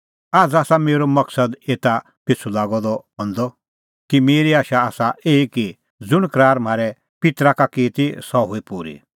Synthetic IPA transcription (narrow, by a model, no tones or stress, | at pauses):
aːd͡zaːsameːɾɔmɐksəd̪eːt̪a | pɪt͡sʰulaːɡɔd̪ɔɦɔ̃nd̪ɔ | kimeːɾiaːʃaaːsaʔeːiki | d͡zʊɽ̃kɾaːɾm̤aːɾɛ | pɪt̪ɾakakiːt̪isɔɦoipuɾḭ